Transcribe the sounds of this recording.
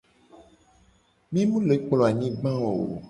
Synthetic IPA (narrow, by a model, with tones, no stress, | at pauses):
mĩ˦mũ˦le˨˦k͡plɔ˨a˨ɲĩ˦ɡ͡bã˦wo˨